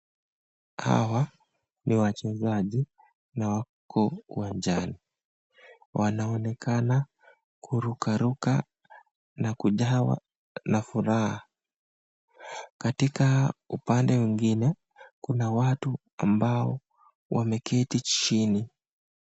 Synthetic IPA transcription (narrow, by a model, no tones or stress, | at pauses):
ha̰wa | niwat͡ʃɛzaʄi | nawa | kʰɔṵwaɲd͡ʒani | wʔanaɔnɛkʰana | kʰuɾukaɾuka | nakuʄawa̰ | nafuɾaha | katikaupandɛwiŋɡinɛ | kunawatu | a̰mbaɔ | wʔamɛkʰɛtit͡ʃini